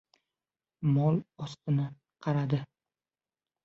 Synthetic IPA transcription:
mɒlˠɒst̪ɪnɪ | qʰɑɾad̪ɪ

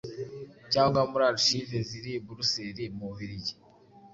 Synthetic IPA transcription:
caːŋɡwamuɾaɾuʃiveziɾibuɾuseɾimuhiɾiɟe̥

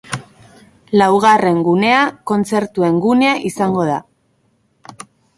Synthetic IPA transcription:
lawɣ̞are̞ŋɡune̞ako̞nt͡se̞ɾt̪ue̞ŋɡune̞aʔisaŋɡo̞ð̞a

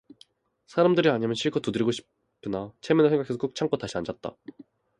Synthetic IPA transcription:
sʰaɾamdɯɾiaɲimjʌnɕʰiɭk͈ʰʌtudɯɾiɡoɕʰi̥ | pʰːɯnat͡ɕʰemjʌnɯɭsʰeŋɡakʰe̞sʰʌk͈uk̚t͡ɕʰaŋk͈ʌtaɕʰianɲd͡ʑat̚t͈a̰

